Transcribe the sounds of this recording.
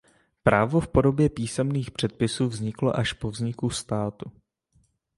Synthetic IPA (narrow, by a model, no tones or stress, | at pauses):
pɾaːvo̞fpo̞do̞bjɛpiːsɛmniːxpr̝̥ɛt̪̚pɪsuːvzɲɪklo̞ʔaʃpo̞vzɲɪkust̪aːt̪u